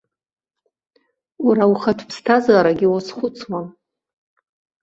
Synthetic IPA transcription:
uɾauχatʷʰpʰstʰazaɾaɡʲɪwasχʷʊt͡sʰwa

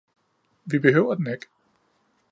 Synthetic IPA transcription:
ʋib̥e̝ɦøʊ̰ɐd̥en̩eɡ̥

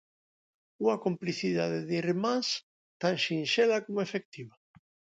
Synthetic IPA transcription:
uŋakompliθiðaðeðiremãns | t̪aŋʃinʃelakomʊefek̚t̪iβa

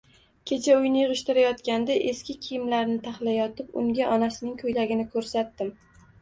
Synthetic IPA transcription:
kʲʰe̞t͡ʃʰaʊjnɪjɨʁɨʃt̪ɪɾajɒt̪kʲand̪aʔeskʲɪkʲʰɪjɪmlaɾnɪt̪ʰaχlajɒt̪ʰɪpʊ̰ŋɡʲaʔɒnasɪnɪŋkʰɵjlaɡʲɪnɪkʲʰɵɾsat̪̚ːɪm

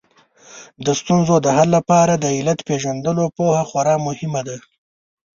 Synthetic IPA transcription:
d̪əst̪unzod̪əɦalːapɑɾad̪əilat̪peʒand̪əlopohaxwaɾɑmʊhɪmad̪a

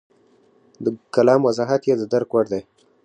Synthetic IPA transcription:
d̪əkalɑmwazɑɦat̪jed̪əd̪aɾkwaɽd̪aj

